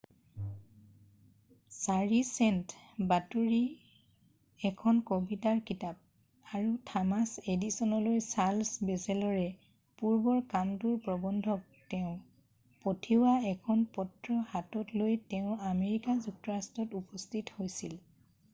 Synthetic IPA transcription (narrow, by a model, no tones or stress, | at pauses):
saɹisɛntbatuɹi | ɛkʰɔnkobitaɹkitap̚ | aɹutʰamasedisɔnɔlojsalsbesɛlɔɹɛ | puɹbɔɹkamtuɹpɹɔbɔndʱɔk̚tɛʊ̃ | potʰiwaɛkʰɔnpɔtɹɔhatɔtlojtɛʊ̃ameɹikazuk̚tɔɹastɔtupɔstʰithojsil